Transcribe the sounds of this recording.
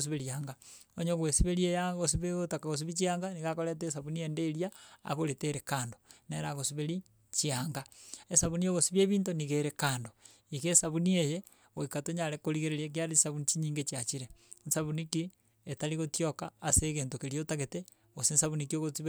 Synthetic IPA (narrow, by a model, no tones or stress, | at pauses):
os̬iβeɾiaːŋɡa | oɲoɣwesiβeɾiejaɣos̬iβeotakaɣos̬iβit͡ʃiaːŋɡaniɣakoɾet̬es̬aβuniendeɾja̰ːɣoɾeteɾekaːndo̥neɾaɣosiβeɾi | t͡ʃiaːŋɡaesaβunijoɣosiβeβiːntoniɣeɾekaːndo | ikesaβunieje | ɣoikatoɲaɾekoɾiɣeɾeɾiek̬iaɾeisaβunit͡ʃiɲiːŋɡet͡ʃiat͡ʃiɾensaβuniki | etaliɣotiokaːseɣeːntokeɾjotaɣete | ɣosinsaβunikioɣosiβ